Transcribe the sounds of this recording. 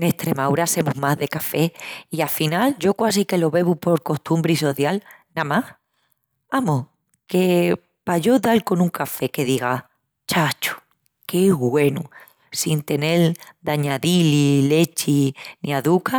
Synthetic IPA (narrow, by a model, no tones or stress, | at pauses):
neht̪ɾe̞mawɾase̞muɦmaɦðe̞kafe̞iafinald͡ʒo̞kwas̬ike̞lo̞βe̞βupo̞ɾko̞st̪umbɾiso̞θjalnamah | amo | ke̞ | paʝo̞ðalko̞nũŋkafe̞ke̞ðiɣ̞a | t͡ʃat͡ʃu̥ | ke̞ɣwe̞nu | sint̪e̞ne̞ld̪aɲaðilile̞t͡ʃiniaðuka